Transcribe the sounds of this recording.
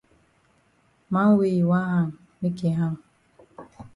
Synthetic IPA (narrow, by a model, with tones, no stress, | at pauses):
ma˦ŋ̩˦we˦˨i˨wa˦ɦa˦˨ŋ̩˨ | me˦ke˨ɦa˦m̩˨